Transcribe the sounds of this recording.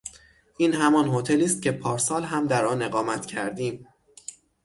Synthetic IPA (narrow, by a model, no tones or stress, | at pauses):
ʔiːnɦæmɒːnɦot̪ʰeliːst̪̚cʰe̞pʰɒːɾsɒːlɦæmd̪æɾɒːne̞ɣɒːmæt̪cʰæɾd̪iːm